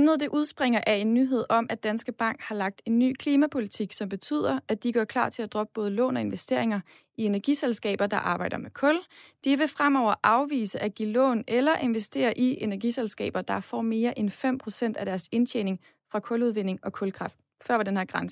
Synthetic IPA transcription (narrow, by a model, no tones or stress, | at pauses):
mnəðˠd̥e̝ʔuð̞ˠsb̥ʁeŋɐʔæe̝nːyɦe̝ð̞̰ˠɒ̽mʔæd̥ænsɡ̥əb̥ɑ̈ŋ̰ɡ̥hɑ̈lɑ̈ɡ̥̚d̥e̝nːy̰ːkʰliːmæpʰo̝lit͡sʰiɡ̥sɒ̽mb̥e̝t͡sʰy̰ð̞̰ˠɐæd̥iɡ̥ɶɐkʰlɑ̰̈ːt͡sʰe̝læd̥ʁɒ̽b̥əb̥ɔ̽ːð̞ˠəlɔ̰̽ːnɒ̽e̝nʋesd̥e̝ɐ̰e̝ŋɐ | ie̝næɐɡ̥iselsɡ̥ɛ̰ːb̥ɐd̥ɑ̈ʔɑ̈ːb̥ɑ̈ɪd̥ɐmekʰɔ̽ld̥iʋe̝fʁamɒʊ̰ɐʔɑ̈ʊʋḭːsəʔæɡ̥ilɔ̰ːnelɐʔe̝nʋesd̥e̝̰ːɐʔie̝næɐɡ̥iselsɡ̥ɛ̰ːb̥ɐd̥ɑ̈fɒ̰ːme̝ːɐʔenfem̰pʰʁo̝sen̰d̥æd̥æɐse̝nt͡ɕʰḛːne̝ŋ | fʁɑ̈kʰɔ̽luð̞ˠʋen̰e̝ŋɒ̽kʰɔ̽lkʰʁɑ̈fd̥ | fɶɐʋɑ̈denheɐɡ̥ʁɑ̈nsə̥